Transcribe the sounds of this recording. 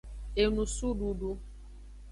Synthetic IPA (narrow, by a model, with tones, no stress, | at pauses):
e˨nu˨su˦du˨du˦